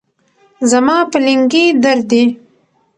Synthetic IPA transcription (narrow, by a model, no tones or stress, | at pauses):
zamɑpəlɪŋɡid̪aɾd̪i